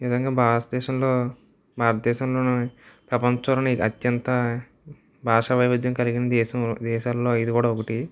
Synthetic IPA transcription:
nizɐŋɡaːbʱaːɾɐt̪ɐd̪ɛːʃɐmloː | bʱaːɾɐt̪ɐd̪ɛːʃɐmloːnpɾɐpɐnt͡ʃɐlɐniɐt̪jɐnt̪ɐ | bʱaːʂɐʋɐjʋud̪jɐmkɐliɡinɐd̪ɛːʃɐmd̪ɛːʃaːlːo̞ːid̪ikuːɽaːokɐʈi

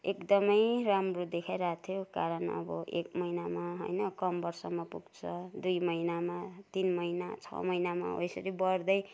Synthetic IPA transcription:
ekd̪ʌmʌjramrod̪ekʰajɾat̪ʰjokaɾʌnʌ̰bʌ̰ʔekmʌjnamaɦo̰jnʌkʌmbʌrsʌmapuɡt͡sʰʌd̪ujmʌinamat̪inmʌjnat͡sʰʌ̰mʌjnama̰o̰jsʌɾibʌrd̪ʌj

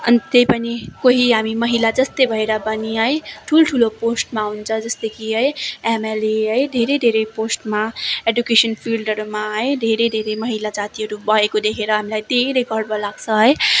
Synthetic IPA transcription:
ʌ̰nt̪ejpʌnikoɦiɦamimʌɦilad͡zʌst̪ebʱʌeɾʌbʌniʌjʈʰulʈʰuloposʈmaunt͡sʰʌd͡zʌst̪ekiɦʌjemeleɦʌjd̪ʱeɾed̪ʱeɾeposʈmaeɖjukesənpʰilɖʌɾumaɦʌjd̪ʱeɾed̪ʱeɾemʌɦilad͡zat̪iɦʌɾubʌɦekod̪ekʰeɾʌɦamilajd̪ʱeɾekʌɾɽbʱʌlaɡsʰʌɦʌj

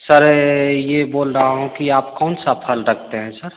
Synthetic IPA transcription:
səɾjeboːlɾəɦaɦũkiaːpkɔːnsapʰəlɾək̚ʰt̪eɦɛ̃səɾ

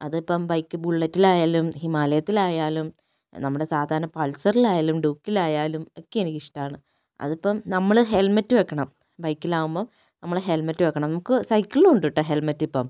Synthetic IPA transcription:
ɐðipːɐmbɐjkːɨbuɭːɐtːilaːjaːlumhimaːlɐjɐt̪ːilaːjaːlum | nɐmːuɽe̞saːd̪ʱaːɾɐnɐpɐɭsɐrilaːjaːlumɖuːkːilaːjaːlumokːeenikiʂʈaːɳɨ | ɐ̰ðipːɐmnɐmːɐɭɦelmɐtːɨʋekːɐɳɐm | bɐjkːilaːɣumboː | nɐmːɐɭɦe̞lmɐtːɨʋekːɐɳɐmnɐmukːɨsɐjkːiɭiluɳɖiʈːɨɦelmɐtːipːɐm

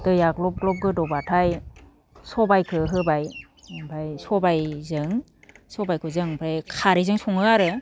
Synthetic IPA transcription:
tɯjaɡlɔp̚ɡlɔp̚ɡɯdɔbatʰaj | sɔbajkʰɯɦɯbaj | bajsɔbajzɯŋ | sɔbajkʰɯzɯŋpʰajkʰaɾizɯŋsɔŋɯaɾɯ

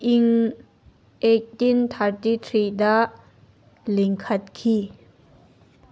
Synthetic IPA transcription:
ʔiŋ | ʔetint̪ʰaɹtit̪ʰɾidaʔ | liŋkʰɐt̚kʰi

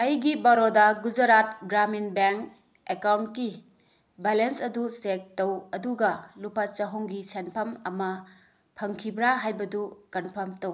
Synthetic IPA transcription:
ɐjɡibɐɾodɐɡud͡ʒɐɾat̚ɡɾaminbeŋk | ekawntki | belensɐdusek̚tɐwɐduɡɐlupɐt͡ʃɐɦuŋɡisenpʰɐmɐmɐ | pʰɐŋkʰibɾaɦajbɐdukɐnpʰɐmtɐw

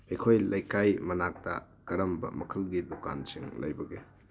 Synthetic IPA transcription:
ɐjkʰojlɐjkajmɐnak̚tɐ̰ | kɐɾɐmbɐ̰mɐkʰɐlɡiduka̰nsiŋlɐ̰jbɐɡe

